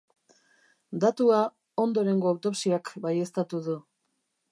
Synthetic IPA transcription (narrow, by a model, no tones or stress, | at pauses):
d̪at̪ua | o̞nd̪o̞ɾe̞ŋɡo̞awt̪o̞psiakbaje̞st̪at̪uðu